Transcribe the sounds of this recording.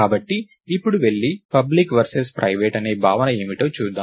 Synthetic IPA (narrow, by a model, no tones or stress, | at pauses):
aːbɐʈːiː | pːuɽuʋe̞ɭːipɐblikʋɐɾsespɾʔɐjʋeːʈɐne̞ːbʱaːʋɐnɐeːmiʈoːt͡ʃuːd̪ːaː